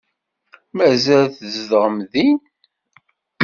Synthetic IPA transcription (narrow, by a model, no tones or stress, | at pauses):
mæzælθəzðʁəmðin